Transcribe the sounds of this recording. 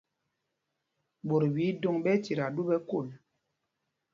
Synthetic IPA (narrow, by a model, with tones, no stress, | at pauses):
ɓo˨ɾwi˨˦do˦ŋɓɛ˦ti˨ɾa˨du˦ɓɛ˦ku˦˨l